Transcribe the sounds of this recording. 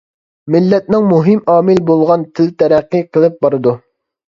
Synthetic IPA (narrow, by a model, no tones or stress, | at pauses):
mɪlːɛt̪̚nɪŋmuɦɪmɑːmɪlbolˠʁɑnt̪ʰɪlt̪ʰɛɾɛqːɨqʰəlˠɪp̚bɑɾɨd̪u